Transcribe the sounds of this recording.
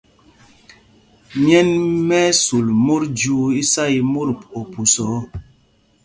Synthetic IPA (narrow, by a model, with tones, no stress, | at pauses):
mjɛ˦nmɛ˦su˨lmo˦ɾd͡ʒu˦i˦sa˦i˨mo˦ɾo˨pu˨sɔ˨˦